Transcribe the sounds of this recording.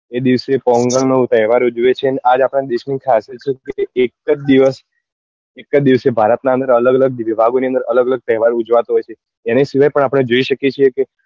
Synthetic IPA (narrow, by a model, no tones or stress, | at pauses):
ed̪iʋsepɔŋɡəlnot̪əɦʋaɾud͡ʒʋet͡ʃʰeneʔad͡ʒapɽ̃ad̪eʃnikʰased͡ʒt͡ʃʰekeekːəd͡ʒd̪iʋəs | ekːəd̪iʋsebʱaɾət̪naənd̪əɾələɡələɡ̚ʋibʱaɡoniə̃nd̪əɾələɡələɡ̚t̪ɛɦɛʋaɾud͡ʒʋat̪oɦɔjt͡ʃʰeː | nesiʋajpəɳ̃apəɽ̃ed͡ʒoiʃəket͡ʃʰieke